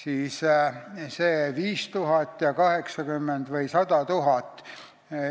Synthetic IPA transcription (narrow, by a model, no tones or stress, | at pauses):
siːs | seːviːst̪uɦɑt̪ːjɑkɑheksɑkymːend̪̥vɤjsɑd̪ɑt̪uɦɑt̪ː